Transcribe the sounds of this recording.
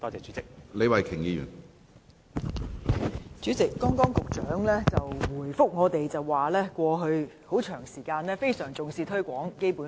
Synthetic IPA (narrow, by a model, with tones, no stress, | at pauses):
t̪ɔː˥t͡sɛː˨˧t͡ʃyː˨˥t͡sɪ˨k̚le˨˧wɐ˨jkʰɪ˨˩ŋjiː˨˧jy̰˨˩n | t͡ʃyː˨˥t͡sɪ˨kːɔː˥ŋkɔː˥ŋkʊ˨k̚t͡ʃœː˨˥ŋlɛː˥t͡sɐ˨wwuː˨˩jfʊ˥k̚ŋɔː˨˧t̪e˨jt͡sɐ˨wːaː˨˩lɛː˥kʷɔː˧ɦɵ˧ɥho˨˥wt͡ʃʰœː˨˩ŋsiː˨˩kaː˧nlɛː˥fe˥jsœː˨˩ŋt͡sʊ˨ŋsiː˧t̪ʰɵ˥ɥkʷɔː˨˥ŋke˥jpuː˨˥